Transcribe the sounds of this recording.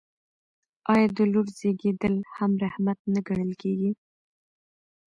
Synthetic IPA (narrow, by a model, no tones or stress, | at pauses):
ɑjɑd̪əloɾz̥eɡed̪əlhamɾahmat̪̚nəɡaɽ̃əlkeɡi